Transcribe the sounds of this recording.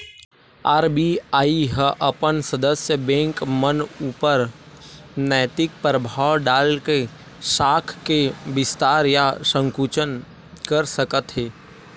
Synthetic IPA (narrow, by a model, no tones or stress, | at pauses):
aːɾbiaːiɦəʔɐpənsəd̪əsjəbɛ̃ːŋkmənuːpəɾ | nɛːt̪ɪk̚pɾəbʱaːwɖaːlke | ʃaːkʰkebɪst̪aːɾjasə̃ŋkuːt͡ʃən | kəɾsəkət̪ɦeː